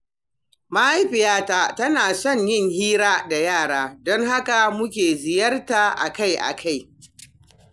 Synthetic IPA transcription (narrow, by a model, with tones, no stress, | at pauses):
ma˦ʔa˦jɸɪ˨jaː˦taː˦tɐ˦naː˨sɔ˦˨ɲjɪ˦˨ŋhiː˦ɾaː˦da˨jaː˦˨ɽaː˦dɔ˦ŋha˦ka˨mʊ˦kʲeː˨zɪ˨jɐ˦rta˨ʔa̰˨ka˦˨jʔa̰˨kʰa˦˨j